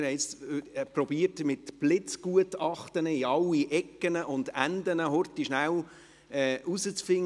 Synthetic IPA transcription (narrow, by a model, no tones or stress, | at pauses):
hɛɪɪt͡spɾɔbiərtmɪtb̥lɪt͡sɡ̥uətɑχtənəiɑlːiʔɛkːənəʔʊnd̥̪ændənəɦɔrtiʃnæw | ɛːʔusət͡sfɪŋ